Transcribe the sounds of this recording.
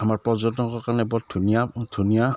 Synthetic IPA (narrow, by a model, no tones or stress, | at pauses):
amaɹpɹɔzɔtɔkɔɹkaɹnɛbɔdʱunijadʰʱunija